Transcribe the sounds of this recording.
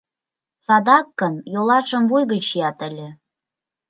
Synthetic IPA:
sɑd̪ɑkːə̆njolɑʃə̆mvujɣə̆t͡ɕijɑt̪ə̆lʲĕ

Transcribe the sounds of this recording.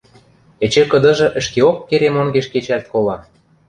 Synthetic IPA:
ĕt͡ɕĕkɤ̆d̪ɤ̆ʒɤ̆ʔə̆ʃkeokːeɾemoŋɡeʃket͡ɕælt̪̚kolɑ

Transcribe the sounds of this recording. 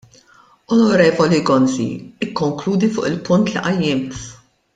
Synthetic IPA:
ɔnɔɾɛːvɔliɡɔnzḭɪkːɔŋkluːd̪ifʊ̰ːʔɪlpʊnt̪liʔɐjːɪmt̪

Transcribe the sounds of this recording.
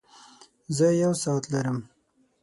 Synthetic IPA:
zəjawsɑt̪laɾəm

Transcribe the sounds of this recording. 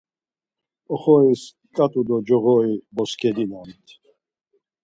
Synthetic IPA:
ɔχɔis | kʼat̪ʼud̪ɔd͡ʒɔʁɔibɔskʰʼɛd̪inant̪ʰ

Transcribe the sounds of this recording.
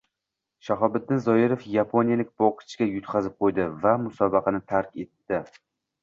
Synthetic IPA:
ʃaɦɒbɪd̪̚ɪnzɒɪɾofjapʰonijalɪk̚ʲbɒqʰɨ̥t͡ʃʰkʲajʊt̪qʰɑzɪp̚qʰojd̪ɪvamʊsɒbɑqɑnɪt̪ʰaɾkʲe̞t̪ːɪ

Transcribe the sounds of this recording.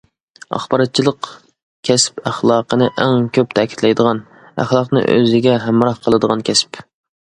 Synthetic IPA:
ɑ̰χbɑɾɑt̪̚t͡ʃʰilˠəq | kʲʰɛspæχlˠɑːqʰənɨʔæŋkʲʰøp̚t̪ʰækʲʰi̥t̪lɛjd̪əʁɑn | æ̰χlˠɑqnɨ̰ʔø̰zɪɡʲɛɦæmɾɑhqʰəlˠɨd̪əʁɑnkʲʰɛsp

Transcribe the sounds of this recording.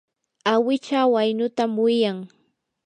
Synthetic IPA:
awɪt͡ʃawajnʊt̪amwɪjaŋ

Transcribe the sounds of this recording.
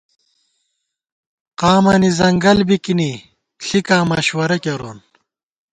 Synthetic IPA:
qaːmɐːnizɐŋɡɐlbikini | ɬikaːmɐɕwɐɾɐkɐɾo̰ːn

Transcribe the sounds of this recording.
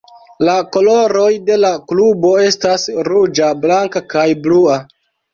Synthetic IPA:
lako̞lo̞ɾo̞jde̞laklubo̞e̞stasɾud͡ʒablaŋkakajblua

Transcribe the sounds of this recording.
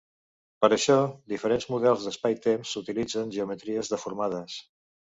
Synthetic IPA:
pəɾəʃɔd̪ifəɾenzmuðɛlˠzðəspajt̪emsut̪ilid͡zənʒəumət̪ɾiəzðəfuɾmað̞əs

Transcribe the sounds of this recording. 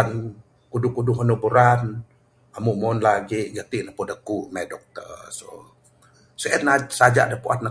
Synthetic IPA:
n | kudʊkudʊɦənubuɾan | amuʔmɔnlaɡiʔɡat̪iʔnəpodəkuʔmadɔk̚t̪ə̰so | soʔɛnnasad͡ʒa̰ʔdəpuʔa̰t̪̚na

